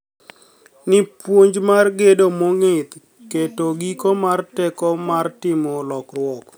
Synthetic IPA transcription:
nɪpwoɲd͡ʒmarɡedomoŋet̪ | ketoɡikomartɛkɔmartɪmɔlɔkrwɔk

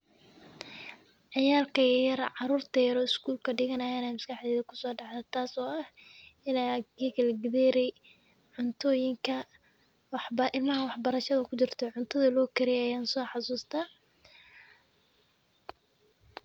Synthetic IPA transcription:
ʕɑjaːlkʰɐjjɐɾʕɑɾuːrt̪ʰɐjɐɾɔːɪskʰuːlkʰɐɖɪɣɐnɐjaːnɛːmɐskɑħðɛːðɐkʰʊ̥sɔːɖɑʕd̪ɛt̪ʰaːsɔːʔɐhɪnaɡiːɣɐlɡɪðɛːɾɛj | ʕʊnt̪ʰɔːjɪŋkʰɐ | wħbɐʔɪlmɐɦɐwɑħbɐɾɐʃɐðɐkʰʊt͡ʃɪrt̪ʰɔʕʊnt̪ʰɐðɐlɔːkʰɪɾɪjɛjaːnsɔːħɑsuːst̪ʰaː

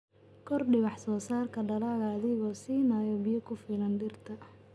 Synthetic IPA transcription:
kʰɔrɖɪwɑħsɔːsaːrkʰɐɖɐlaːɣɐːðɪɣɔːsiːnaːjɔbɪjɐkʰʊfiːlɐnd̪ɪrt̪ʰɐ

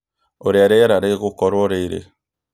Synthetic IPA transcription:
oɾjaɾeɾaɾeɣukɔɾwoɾeiɾḛ

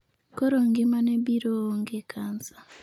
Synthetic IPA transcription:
koɾoŋɡimanebiɾooŋɡekanza

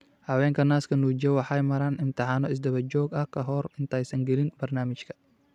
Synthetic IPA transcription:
hɐwɛːŋkʰɐnaːskʰɐnud͡ʒɛwɑħajmɐɾanɪnt̪ɐħanɔɪs̬d̪ɐβɐd͡ʒɔːɡɐhkʰɐɦɔːɾɪnt̪ʰajsɐŋɡɛlɪnbɐrnaːmɪt͡ʃkʰɐ̥

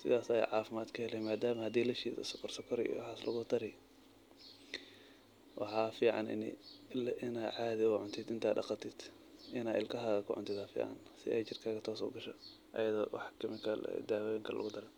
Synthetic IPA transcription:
sɪ̰ðaːsɐɛ̰ʕɑːfɪmaːd̪kʰɐhɛlɛjmaːd̪aːmɐhɐd̪iːlɐʃiːsʊ̰sɔkʰɔrsɔkʰɔɾ̰wɑħɑːslʔɐ̰ɣʊt̪ʰɐɾɛ | wɑ̰ħɑːfiːʕɑ̰nɪ̰nɛ̰lʔɪnaːʕaːðɪʊʕʊnt̪ʰɪd̪ɪnt̪ʰaːd̪dɑqɑt̪ʰɪd̪ | ʔɪnaːɪlkʰɐɦaːɣɐkʰʊʕʊ̰nt̪ʰɪd̪aːfḭːʕɑ̰nsɪ̰ʔɛjt͡ʃɪrkʰaːɣɐt̪ʰɔːsɔ̰ɡɐʃɐ̰ | ʔɐ̰jɐðɔ̰wɑ̰ħkʰɐmɪkʰɐ̰d̪aːwɔjɪŋkʰɐlʔʊ̰ɣʊd̪ɐɾɛn

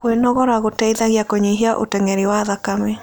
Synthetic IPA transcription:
wenɔɣɔɾaɣotɛiðaɣijakoɲiɦiaʔo̰tɛŋɛɾewaðakame

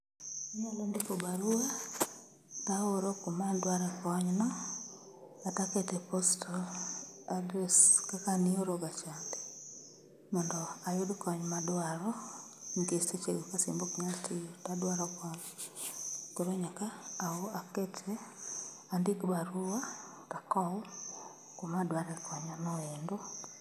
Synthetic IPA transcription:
ɲalandikobaɾua | taoɾokomandwaɾakɔɲnɔ | atakɛtɛpostʰo | adɾɛskakanioɾoɡat͡ʃandɛ | mɔndɔajʊdkɔɲmadwaɾɔŋɡestet͡ʃeɡokasimbokɲastʰijotadwaɾɔkwaŋ | koɾoɲakaːoaketʰɛ | andikbaɾuwa | takɔ | komadwaɾɛkʰɔɲanɔɛndo

